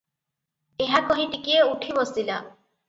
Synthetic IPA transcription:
eɦakɔɦit̪ikieuʈʰibɔsila

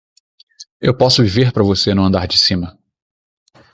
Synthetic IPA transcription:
ewpɔsʊviveɾpɾɐvosenũɐ̃nd̪aɾd͡ʒɪsĩmɐ

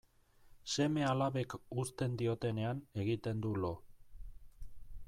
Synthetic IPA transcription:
se̞me̞alaβe̞kust̪e̞nd̪io̞t̪e̞ne̞ane̞ɣit̪e̞nd̪ulo̞

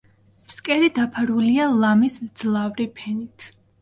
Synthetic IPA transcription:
pʰskʼɛɾid̪apʰaɾulialˠamismd̪z̥lˠavɾipʰɛnit̪ʰ

